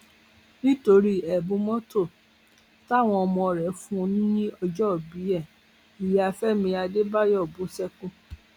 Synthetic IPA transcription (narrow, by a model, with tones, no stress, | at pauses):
nĩ˦to˧ɾi˦ɛ˨bũ˨˧mɔ̃˦to˦˨ | ta˦˨w̃ɔ̃˧ɔ˧mɔ̃˧˨ɾɛ˨˦fũ˦˧nũ˦nĩ˦ɔ˧d͡ʒɔ˦˨bi˨˦ɛ˦˨ | i˨ja˧fɛ˦mĩ˧a˧de˦ba˦jɔ˦˨bũ˨˦sɛ˦kũ˦